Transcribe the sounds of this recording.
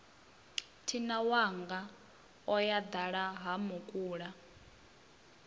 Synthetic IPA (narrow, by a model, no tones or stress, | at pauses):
tʰinawaŋɡa | ɔjad̪aɺaɦamukʼuːɺa